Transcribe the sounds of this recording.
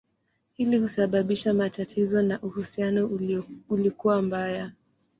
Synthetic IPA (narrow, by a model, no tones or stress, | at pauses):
hilihusaɓaɓiʃamatatʰizɔnaʔuhusianɔulikuwambaja